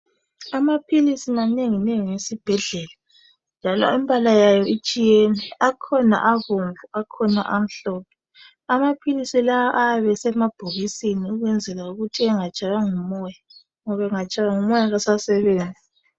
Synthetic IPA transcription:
amapʰilisimaneŋineŋiŋesib̥ʱɛɮɛla | nd͡ʒʱalɔ̰impʼalajajɔit͡ʃʼijɛnɛakʰɔna̰ʔaɣoɱvuakʰɔna̰ʔam̩ɬɔːpʰɛ | amapʰilisilawaʔajaβɛsɛmab̥ʱuɣisiniuɣwɛnd͡zʱɛlauɣutʰiɛŋat͡ʃʼajaŋumɔːja | ŋɔβaŋat͡ʃʼajaŋumɔjaɣasasɛβeːnd͡zʱi

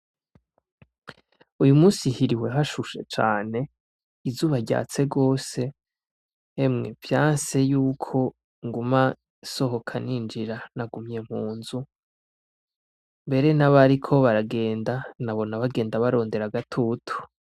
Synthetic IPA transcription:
ujumuːsihiɾiwe̞ɦaʃuʃe̞̰t͡ʃa̰ːne̞ | izuːβaɾɟa̰ːt͡se̞ɡo̞ːse̞ | mŋe̞̰vjaːnse̞juːkʰo̞ | ŋɡuma | so̞ɦo̞kʰanind͡ʒiɾanaɡumɲe̞m̥huːnzu | mbe̞ɾe̞naβaɾikʰo̞βaɾaɡe̞ːndanaβo̞naβaɡe̞ːndaβaɾo̞ːnde̞ɾaɡatʰuːtʰu̥

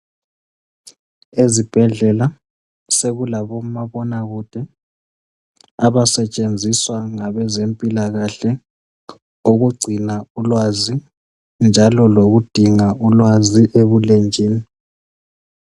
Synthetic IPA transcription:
ezib̥ʱɛɮɛla | seɣulaβɔmaβɔnaɣud̥ʱɛ | aβasɛt͡ʃʼend͡zʱiswaŋaβɛzempʼilaɣaɬɛ | oɣuɡ͡ǀʱinaulwazi | nd͡ʒʱalɔloɣud̥ʱiŋaulwaziʔeβulend͡ʒʱiːni

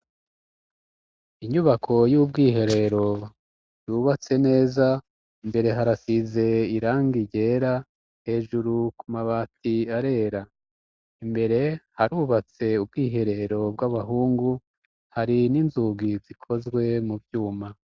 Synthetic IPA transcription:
iɲuβakʰo̞juːb̚ɡiːɦe̞ɾe̞ɾo̞ | juβat͡se̞ne̞ːza | imbe̞ɾe̞ɦaɾasize̞iɾaːŋɡiɟe̞ɾa | he̞ːʒuɾukumaβaːtiaɾe̞ːɾa | imbe̞ɾe̞haɾuβat͡se̞ubɡiːɦe̞ɾe̞ɾo̞bɡaβaɦuːŋɡu | haɾininzuɡizikʰo̞zɡwe̞mubjuːma

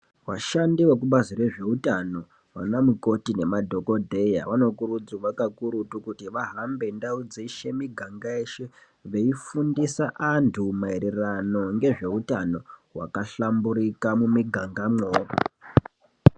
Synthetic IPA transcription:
waʃandiwek̬uɓazire̞ʐe̞utano | wa̰namuko̞tine̞madʱoko̞dʱe̞ja̰ʋano̞kuɾud͡zuʋakakuɾutukutiʋaɦambe̞ndaud͡ziʃe̞miɡʱaŋɡaeʃe | ʋe̞ifundisaʔantʰumaeɾerano̞ŋɡe̞ʐe̞utano̞wa̰kaɬambuɾikamumiɡʱaŋɡamoːko̰

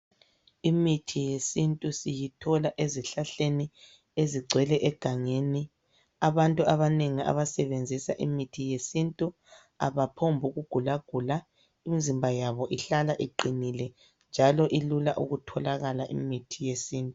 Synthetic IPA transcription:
imitʰijesintʼusijitʰɔlaʔeziɬaɬeni | eziɡ͡ǀʱwɛlɛʔɛɡ̥ʱaŋeni | aβantʼuaβaneŋia̰βasɛβend͡zʱisa̰ʔimitʰijesintʼu | a̰βapʰombʱuɣuɡ̥ʱulaɡ̥ʱula | imizimbʱajaβɔʔiɬalaʔiǃinilɛ | nd͡ʒʱalɔʔilulaʔuɣutʰɔlaɣalaʔḭmitʰijesiːntʼu

